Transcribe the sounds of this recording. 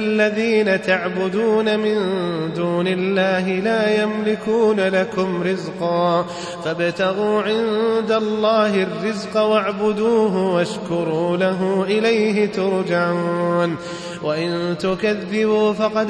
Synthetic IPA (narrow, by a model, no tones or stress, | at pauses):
lːaðiːnat̪aʕbʊd̪uːnamɪnd̪uːnɪlːaːɦɪlaːjamlɪkuːnalakʊmɾɪzqɑː | fabt̪aɣuːʕɪnd̪alˤːɑːɦɪrːɪzqwaʕbʊd̪uːɦʊwaʃkʊɾˤuːlaɦʊʔɪlajɦɪt̪ʊɾd͡ʒaʕun | waʔɪnt̪ʊkaðːɪbuːfɑqɑd̪